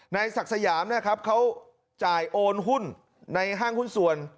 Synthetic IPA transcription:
na˧jsa˨˩k̚sa˧jaː˩˦mna˦˥˩kʰa˦˥p̚kʰa˦˥w | t͡ɕaː˨˩jʔoː˧nɦu˥˩nː | a˧jɦaː˥˩ŋhu˥˩nsu˨˩ən

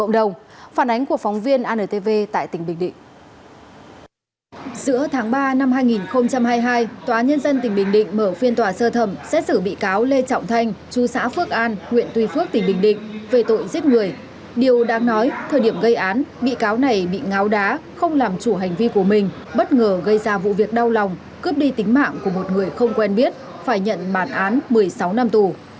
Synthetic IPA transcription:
ə̰˧˨wŋ͡mɗə˨˩wŋ͡mfaː˧˩nʔa˨˦ŋku˧˩əfɔ˨˦wŋ͡mvi˧ənʔaː˧nəː˨˩t̪e˧ve˧t̪a̰ː˧˨jt̪ï˨˩ŋ̟ɓï˨˩ŋ̟ɗḭ̈˧˨ŋ̟ | zɨ̰˧˥ət̪ʰaː˨˦ŋɓaː˧na˧mɦaː˧jŋi˨˩nxə˧wŋ͡mt͡ɕa˧mɦaː˧jɦaː˧jt̪waː˨˦ɲə˧nzə˧nt̪ï˨˩ŋ̟ɓï˨˩ŋ̟ɗḭ̈˧˨ŋ̟məː˧˩fi˧ənt̪waː˨˩səː˧t̪ʰə˧˩msɛ̰˧˥sɨː˧˩ɓḭ˧˨kaː˨˦wle˧t͡ɕɔ̰˧˨wŋ͡mt̪ʰa˧jŋ̟t͡ɕu˨˦sa̰ː˧˥fɨ˦˥ək̚ʔaː˧nŋwḭ˧˨ənt̪wi˧fɨ˦˥ək̚t̪ï˨˩ŋ̟ɓï˨˩ŋ̟ɗḭ̈˧˨ŋ̟ve˨˩t̪o̰˧˨jzi˦˥ət̚ŋɨ˨˩əj | ɗi˨˩əwɗa̰ː˧˥ŋnɔ˨˦jt̪ʰəː˨˩jɗi˧˩əmɣə˧jʔaː˨˦nɓḭ˧˨kaː˨˦wna˨˩jɓḭ˧˨ŋa˨˦wɗaː˨˦xə˧wŋ͡mlaː˨˩mt͡ɕu˧˩ɦa˨˩jŋ̟vi˧ku˧˩əmï˨˩ŋ̟ | ɓə˦˥t̚ŋəː˨˩ɣə˧jzaː˧vṵ˧˨vi˨˩ək̚ɗa˧wla˨˩wŋ͡m | kɨ˦˥p̚ɗi˧t̪ï˨˦ŋ̟ma̰ː˧˨ŋku˧˩əmo˨˩t̚ŋɨ˨˩əjxə˧wŋ͡mkwɛ˧nɓi˦˥ət̚ | faː˧˩jɲə̰˧˨nɓaː˧˩nʔaː˨˦nmɨ˨˩əjsa˨˦wna˧mt̪u˧˨˩

